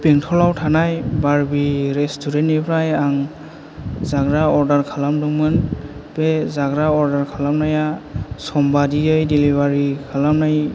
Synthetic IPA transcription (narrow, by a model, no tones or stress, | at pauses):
peŋtʰɔlawtʰanajbaɹbiɾestʰuɾenipʰɾajaŋ | zaɡɾaɔɾdaɾkʰalamduŋmɯnbezaɡɾaɔɾdaɾkʰalamnajasɔmbadiɯjdilibaɾikʰalamnaj